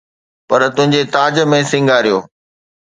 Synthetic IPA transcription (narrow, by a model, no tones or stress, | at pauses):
pɐɾt̪ʊ̃ɦɪ̃ɲ̆d͡ʑet̪aːd͡ʑə̆mẽsɪ̃ŋɡʱaːɾijoː